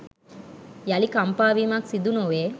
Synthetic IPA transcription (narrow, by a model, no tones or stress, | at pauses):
jalikampaːʋiːmaksid̪unoʋeː